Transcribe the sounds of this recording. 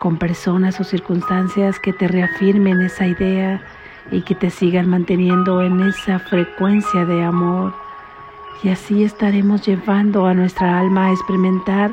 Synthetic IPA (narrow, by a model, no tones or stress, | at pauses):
ko̞mpe̞ɾso̞naso̞siɾkunst̪ansjaske̞t̪e̞re̞afiɾme̞ne̞saiðe̞a | ike̞t̪e̞siɣanmãnt̪e̞nje̞nd̪o̞ene̞safɾe̞kwe̞nsjaðe̞amo̞ɾ | iasie̞st̪aɾe̞mo̞zʝe̞βand̪o̞anwe̞st̪ɾaalmaːekspeɾimẽ̞nt̪aɾ